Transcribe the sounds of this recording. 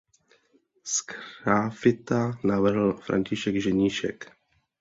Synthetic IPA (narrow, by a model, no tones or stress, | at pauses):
skɾafɪt̪anavr̩ɦl̩fɾʔa̰ɲcɪʃɛɡʒɛɲiːʃɛ̰k